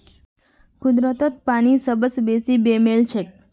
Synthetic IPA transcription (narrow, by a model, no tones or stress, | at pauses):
kʰʊd̪ɾət̪ət̪̚pañisəbəsbesibemelt͡ʃʰe